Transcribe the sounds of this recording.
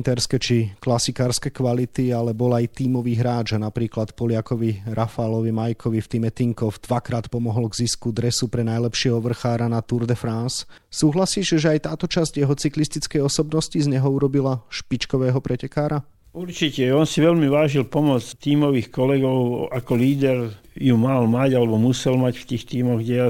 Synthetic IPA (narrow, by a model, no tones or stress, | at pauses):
nt̪ɛɾskɛt͡ʃiklasikaːɾskɛkʋalit̪ialɛbɔlajt̪iːmɔʋiːɦɾaːd͡ʒanapɾiːklat̪pɔlɪakɔʋiɾʔafalɔʋimajkʰɔʋift̪imɛt̪iŋkɔfd̪̥ʋakɾaːt̪pɔmɔɦɔlɡziskud̪ɾɛsupɾɛnajlɛpʃɪɛɦɔʋr̩xaːɾanat̪uɾd̪ɛfɾansː | uːɦlasiːʃʒɛajt̪aːt̪ɔt͡ʃazɟjɛɦɔt͡siklist̪it͡skɛjɔsɔbnɔscizɲɛɦɔuɾɔbilaʃpit͡ʃkɔʋɛːɦɔpɾʔɛcɛkaːɾa | uɾt͡ʃicɛɔnsiʋɛlmiʋaːʒilpɔmɔt͡st̪iːmɔʋiːxkɔlɛɡɔʊakɔliːd̪ɛɾ | jumalmaɟalɛbɔmusɛlmacft̪iːxt̪iːmɔɣɟɛa